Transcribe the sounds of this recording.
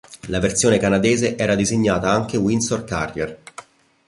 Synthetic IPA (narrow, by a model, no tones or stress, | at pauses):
lavertsjoːnekanad̪eːzeʔɛːɾad̪izeɲːaːt̪aaŋk̟ewinsorka̰rjer